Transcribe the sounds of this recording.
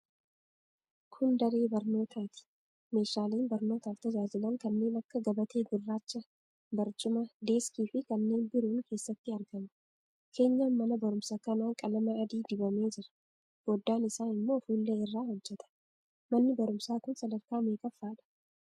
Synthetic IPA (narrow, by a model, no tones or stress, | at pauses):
kʰʊnd̪ɐɾe̞ːbɐɾno̞ːt̪ʰaːt̪ɪ̥ | me̞ːʃaːleːnbɐɾno̞ːt̪aːft̪ɐd͡ʒaːd͡ʒɪlɐŋkɐnːe̞ːnɐkːɐɡɐbɐt̪e̞ːɡɪrːaːt͡ʃːɐ | bɐɾt͡ʃʼʊmɐd̪e̞ːskiːfɪkɐnːe̞ːnbɪɾuːŋke̞ːsːɐt̪ːɪɐɾɡɐmɐ̥ | kʰe̞ːɲːaːnmɐnɐbɐɾʊmsakɐnaːŋkʼɐlɐmɐːd̪iːd̪ɪbɐme̞ːd͡ʒɪɾɐ̥ | b̥od̪ːaːnɪsaːnɪmːo̞ːfuːlːeːɪrːaːhɔd͡ʒːɛt̪ɐ̥ | mɐnːɪbɐɾʊmsaːkʊnsɐd̪ɐɾkaːmeːkʼɐfːaːᶑɐ̥